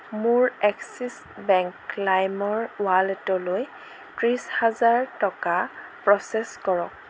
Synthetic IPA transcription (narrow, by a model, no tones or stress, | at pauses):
muɹɛksis | bɛŋklajmɔɹwalɛtɔloj | tɹishazaɹtɔkapɹɔsɛskɔɹɔ̰k̚